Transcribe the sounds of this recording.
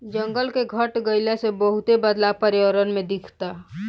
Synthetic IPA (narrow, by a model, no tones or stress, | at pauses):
d͡ʒɐ̃ŋɡəlkeɡʱɐʈɡəɪlasebəɦʊt̪ebəd̪lapəɾjɾənmẽd̪ɪkʰt̪a